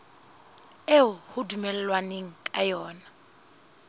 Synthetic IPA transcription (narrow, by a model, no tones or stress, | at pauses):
eʊhʊdumɛlɛlwaneŋ̩kʼajɔːna